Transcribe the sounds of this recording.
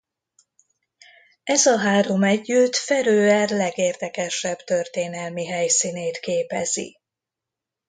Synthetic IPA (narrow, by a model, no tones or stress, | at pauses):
ɛzɒɦaːɾo̞mɛɟːyt̪fɛɾøːɛrlɛɡeːrd̪ɛkɛʃɛbt̪ø̞rt̪eːnɛlmiɦɛjsineːt̪keːpɛzḭ